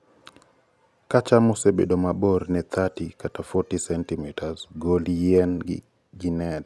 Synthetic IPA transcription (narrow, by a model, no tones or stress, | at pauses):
kat͡ʃamɔsebḛdomabornɛt̪ʰatikatafɔtisɛntimitʰazɡoljɛn | ɡinɛd